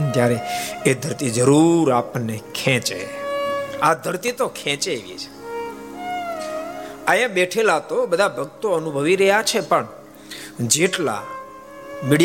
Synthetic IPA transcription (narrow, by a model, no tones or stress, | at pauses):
t̪jaɾeed̪ʱəɾt̪id͡ʒəɾuɾapnekʰɛ̃t͡ʃḛ | ad̪ʱəɾt̪it̪okʰɛ̃t͡ʃeʋjḭt͡ʃʰe̥ | əjãɓeʈʰelat̪obəd̪ʱabʱəɡ̚t̪oənubʱəʋiɾəɦjat͡ʃʰepəɳ | d͡ʒeʈla̰ | miɽj